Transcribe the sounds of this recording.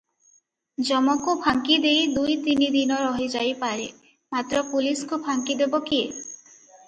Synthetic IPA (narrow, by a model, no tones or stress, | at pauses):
d͡ʒɔmɔkupʰaŋkid̪ejd̪ujt̪inid̪inɔɾɔɦid͡ʒajpaɾe | mat̪ɾɔpuliskupʰaŋkid̪ebɔkie